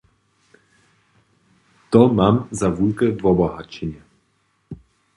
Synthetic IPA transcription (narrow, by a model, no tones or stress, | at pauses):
t̪ɔmamzavulkɛvɔbɔɦat͡ɕɛɲɛ